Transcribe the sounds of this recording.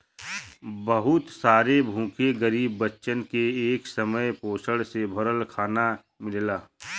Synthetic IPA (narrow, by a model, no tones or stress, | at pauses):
bəɦʊt̪saːɾebʱũːkeɡəɾiːbːətːʃənkeːksəməjpoːsəɽsebʱʊɾəlkʰaːna | mɪllaː